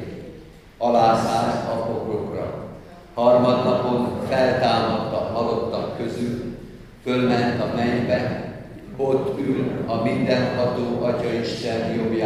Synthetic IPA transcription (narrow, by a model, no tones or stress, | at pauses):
ɒlaːzaːlt̪ɒfoɡrokrɒ | hɒrmɒd̪nɒpo̞nfɛlt̪aːmɒt̪ːɒɦɒlo̞t̪ːɒkːøzyl | følmɛnt̪ɒmɛɲbɛ | bot̪ːylɒmind̪ɛnhɒt̪oːʔɒcɒiʃt̪ɛnjobja